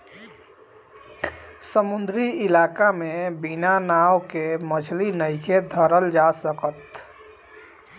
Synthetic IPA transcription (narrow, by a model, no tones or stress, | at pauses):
səmund̪ʱɾiɪlakamebinanawkemət͡ʃʰlinəɪked̪ʱəɾəld͡ʒasəkət̪